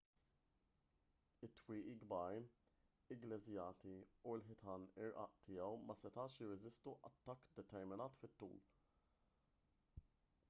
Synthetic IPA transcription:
ɪt̪ːwiːʔiɡbɐɾ | ɪɡlɛzjɐːt̪iuɪlħɪt̪ʰɐnɪɾʔɐ̰ʔt̪ɪːjɛwmɐsɛt̪ɐːʃjɪrːɛzɪst̪uʔɐt̪ːɐkːd̪ɛt̪ɛɾmɪnɐːt̪fɪt̪ːṵːl

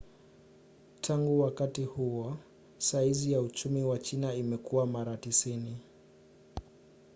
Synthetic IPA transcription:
tʰaŋɡuwakatihuwɔ | saizijaut͡ʃumiwat͡ʃinaimɛkuwamaɾatisini

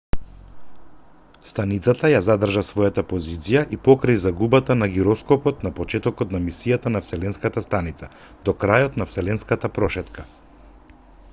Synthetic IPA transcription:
st̪anit̪sat̪ajazad̪r̩ʒasvɔjat̪apɔzit̪sijaʔipɔkɾajzaɡubat̪anaɡiɾɔskɔpɔt̪napɔt͡ʃɛt̪ɔkɔt̪namisijat̪anafsɛlɛnskat̪ast̪anit̪sa | d̪̥ɔkɾajɔt̪nafsɛlɛnskat̪apɾɔʃɛt̪ka

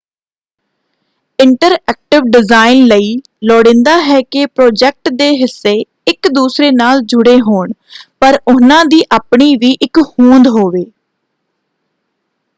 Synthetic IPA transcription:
ɪɳʈəɾɛːk̚ʈɪʋɖɪzaːɪnləiː | lɔːɽɪ̃ːnd̪aːɦɛːkɪpɾɔːd͡ʒɛːk̚ʈd̪eːɦɪsːeː | ɪkd̪uːsɾeːnaːld͡ʒʊɽeːɦoːɳpəɾʊnãːd̪iːʔaːpɳiːʋiːʔɪkhũːnd̪ɦoːʋeː

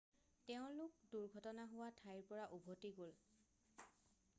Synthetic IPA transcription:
tɛʊ̃lʊk̚duɹɡʱɔtɔnaɦʊwatʰajɹpɔɹaʔubʱotiɡol

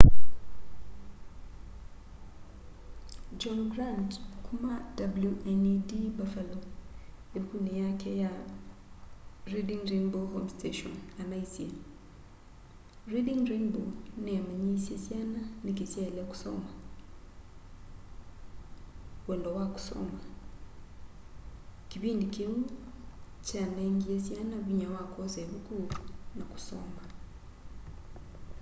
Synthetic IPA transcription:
d͡ʒɔ̃nɡɾãndkʰũmãd̥abljuʔɛndibafalo | ebukʰunɪ̃jakʰɛja | ɾidĩŋɾẽnbohõmstʰeʃɔ̰̃namãisie | ɾidɪ̃ŋɾẽnboneamaɲisjesjananikesjailaku̥so̰ma | weːndowaku̥so̰ma | kiβiːndikeŋu | t͡ʃaneŋɡiesjanaβiɲawakʰozeβukunaku̥so̰ːma

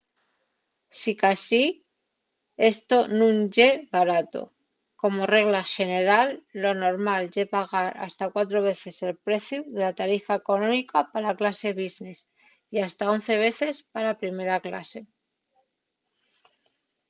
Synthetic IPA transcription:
sikasi | e̞st̪o̞nũnʝe̞βaɾat̪o̞̰ | ko̞mo̞re̞ɣlaʃe̞ne̞ɾalːo̞no̞ɾmalʝepaɣ̞aɾa̰st̪akwat̪ɾo̞βe̞θe̞se̞lpɾe̞θjuðelat̪aɾifaeko̞nõ̞mikapalaklase̞β̞izne̞s | iast̪ao̞n̟θe̞β̞e̞θe̞spaɾapɾime̞ɾakla̰se̞

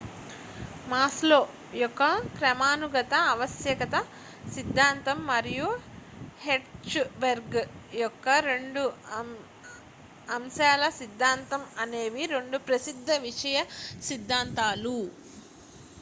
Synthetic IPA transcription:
maːslo̞ː | jɔkːɐkɾɐmaːnuɡɐt̪ɐːʋɐsjɐkɐt̪ɐ | sid̪ʱːaːnt̪ɐmːɐɾiju | heʈt͡ʃbeɾɡjɔkːɐɾe̞ɳɖu | ɐmʃaːlɐsid̪ʱːaːnt̪ɐmɐne̞ːʋiɾe̞ɳɖupɾɐsid̪ʱːɐʋiʂɐjɐsid̪ʱːaːnt̪aːlu

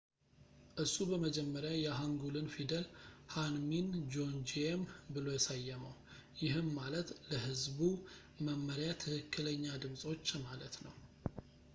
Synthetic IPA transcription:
ʔɨsːubəməd͡ʒɛmːəɾjajɛɦaŋɡulɨnfid̪əlhanmind͡ʒond͡ʒiembɨlo̞jɛsajːɛməw | jɪɦɨmːalət̪ləɦɨzbu | məmːəɾjat̪ʰɨhɨkʰːɨləɲːad̪ɨmsʼo̞t͡ʃːmalət̪nəw

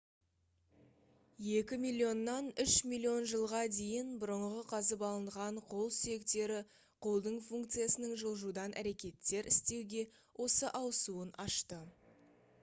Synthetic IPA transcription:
je̞kʲɪmilʲːijo̞nːɑnʏʃmʲilʲːio̞nʒəlˠʁɑd̪e̞jɪnbʊɾəɴʁəqʰɑzəpɑlˠəɴʁɑɴqʰo̞lˠsʏje̞kt̪e̞ɾɪ | qʰo̞lˠd̪əɴfuŋk̚t̪sɨjasənəɴʒəlˠʒud̪ɑnʔæ̰ɾe̞kʲe̞t̪ːe̞ɾɪst̪e̞wɡʲe̞ | wʔo̞səʔɑwəsuənʔɑʃt̪ə

